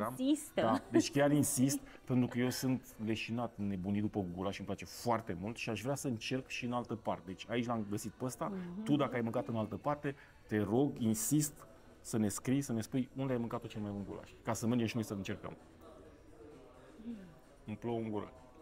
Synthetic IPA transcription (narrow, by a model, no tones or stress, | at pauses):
amd̪ad̪et͡ʃʲkʲarinsist̪̚ | pe̞nt̪ɾukəjewsɨnt̪le̞ʃinat̪ne̞bunid̪upəɡulaʃɨmplat͡ʃe̞foart̪e̞mult̪ʃiaʃvɾeasəɨnt͡ʃe̞rkʃiɨnalt̪əpart̪ed̪et͡ʃʲait͡ʃʲlamɡəsit̪̚pəst̪at̪ud̪akəajmɨŋkat̪ɨnalt̪əpart̪e̞ | t̪e̞ɾo̞ɡinsist̪ | səne̞skɾijsəne̞spujund̪eajmɨŋkat̪ːot͡ʃelmajbunɡṵla̰ʃʲkasəmerd͡ʒemʃino̞jsəɨnt͡ʃe̞rkə̰m | ɨmplouŋɡula̰ʃ